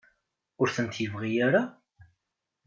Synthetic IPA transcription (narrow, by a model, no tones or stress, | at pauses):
ʊɾθənt̪jəvʁijaɾa